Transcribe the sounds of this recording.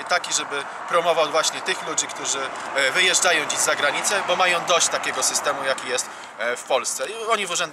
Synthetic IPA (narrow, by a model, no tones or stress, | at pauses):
t̪akʲiʐɛbɘ | pɾɔmɔvawvwaɕɲɛt̪ɘxlud͡ʑikt̪uʐɘ | vɘjɛʐd͡ʐajɔ̃w̃d͡ʑiʑzaɡɾaɲit̪sɛbɔmajɔ̃w̃d̪ɔɕt͡ɕt̪akʲɛɡɔsɘst̪ɛmujakʲijɛst̪ | fpɔlst̪sɛɔɲivuʐɛnd̪